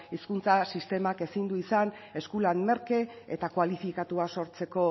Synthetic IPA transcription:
iskunt͡sasist̪e̞make̞sind̪uisan | e̞skulanme̞ɾke̞ḛt̪akwalifikat̪uaso̞ɾt͡se̞ko̞

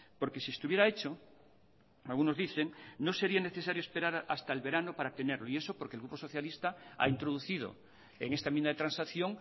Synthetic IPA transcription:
po̞ɾke̞siest̪uβje̞ɾae̞t͡ʃo | alɣuno̞zðiθeŋnose̞ɾiane̞θesaɾjoespe̞ɾaɾast̪aelβe̞ɾanopaɾat̪eneɾloie̞sopoɾkelɣupo̞so̞θjalist̪aa̰int̪ɾoðuθið̞o̰ | ḛŋest̪aemĩnd̪aðet̪ɾansaθjoŋ

